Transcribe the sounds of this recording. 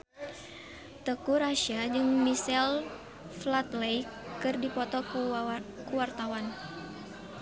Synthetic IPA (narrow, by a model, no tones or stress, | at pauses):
t̪əkuɾaʃiad͡ʒɨŋmisɛl | flat̪lejkɨrdipɔt̪ɔkukuwart̪awan